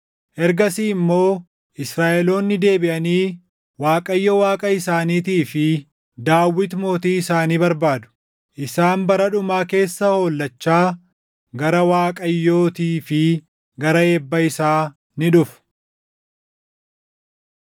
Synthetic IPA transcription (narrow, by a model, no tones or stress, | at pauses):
ʔɛɾɡɐsiɪmːo̞ː | ʔɪsɾaːʔɛlo̞ːnːɪd̪e̞ːbɪʔɐniː | waːkʼɐjːowaːkʼɐɪsaːniːt̪iːfɪ | d̪aːwːɪt̪mo̞ːt̪iːɪsaːniːbɐɾbaːd̪ʊ̥ | ʔɪsaːmbɐɾɐᶑʊmaːke̞ːsːɐho̞ːlːɐt͡ʃːaː | ɡɐɾɐwaːkʼɐjːo̞ːt̪iːfɪ | ɡɐɾɐeːbːɐɪsaː | nɪᶑʊf